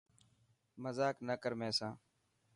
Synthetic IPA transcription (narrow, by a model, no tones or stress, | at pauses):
məzaːknəkəɾmẽːsãː